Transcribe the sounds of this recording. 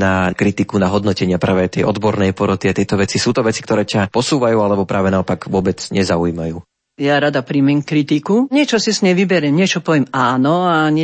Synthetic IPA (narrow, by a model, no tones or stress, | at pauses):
nakɾit̪ikunaɦɔd̪nɔcɛɲɪapɾʔaːʋɛajt̪ɛ̰jʔɔd̪bɔɾnɛjpɔɾɔt̪iat̪ɪɛt̪ɔʋɛt͡sisuːt̪ɔʋɛt͡si̥k̚t̪ɔɾɛːcapɔsuːʋajuːalɛbɔpɾaːʋɛnaɔpaɡʋʊɔbɛt͡sɲɛzauiːmajuː | jaɾad̪apɾimɛmkɾit̪ikuɲɪɛt͡ʃɔsisɲɛʋibɛɾɛmɲɪɛt͡ʃɔpɔʋjɛmaːnɔaɲɛ